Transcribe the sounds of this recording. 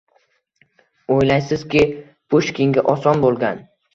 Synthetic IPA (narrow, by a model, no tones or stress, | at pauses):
ojlajsɪzkʲɪ | pʰʊʃkʲʰɪŋɡʲaʔɒsɒnbolˠɡʲan